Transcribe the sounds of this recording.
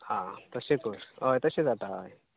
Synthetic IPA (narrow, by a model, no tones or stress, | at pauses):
hãt̪əsekoɾɦəjt̪əsed͡zat̪aɦə̰j